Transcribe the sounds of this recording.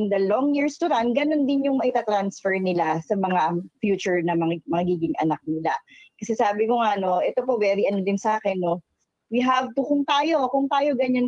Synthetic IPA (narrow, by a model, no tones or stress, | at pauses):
ɪnd̪ɐloŋjiɹst̪ʊd̪ant̪̚ɡɐno̞nd̪ɪnjʊŋmɐʔɪt̪at̪ɾansfɛɹnɪlasɐmɐŋafjuːt͡ʃʊɹnɐmɐmɐɐɡiːɡɪŋʔɐ̰nak̚nɪlakɐsɛsaːbɪkoŋano̞ʔɛt̪opo̞wɛːɾɪʔɐnod̪ɪnsɐʔaːkɛnːo̞ | wiɦavt̪ʊkʊŋt̪aːjo̞kʊŋt̪aːjo̞ɡɐɲan